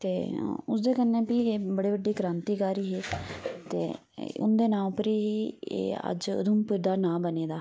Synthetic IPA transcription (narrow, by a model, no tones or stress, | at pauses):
t̪eːʊsd̪eːkənːẽːpiːeːbəɽiːbəɖːiːkɾãːnt̪iːkaːɾiːɦeːt̪ḛː | ʊ̰nd̪eːnãːpəɾiːɦiːḛːə̰d͡ʒʊ̰d̪umpəɾd̪aːnãːbəneːd̪aː